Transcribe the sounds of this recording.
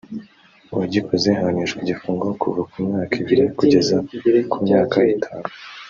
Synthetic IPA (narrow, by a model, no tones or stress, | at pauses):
waɟikʰozeŋhaniʃɡiɟifuːŋɡokʰuvakʰumɲaːkiβiɾikuɟe̞zakumɲaːkaitʰaːnu